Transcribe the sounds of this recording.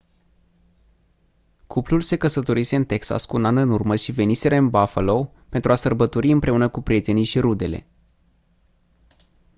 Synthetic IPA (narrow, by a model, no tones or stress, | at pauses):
kʰuplulse̞kəsət̪o̞ɾise̞ɨnt̪e̞ksa̰skuːnanɨnurməʃive̞nise̞ɾəɨnbafəlo̞ | pe̞nt̪ɾuasərbət̪o̞ɾiɨmpɾe̞unəkupɾʲije̞t̪e̞nijʃiɾud̪e̞le̞̰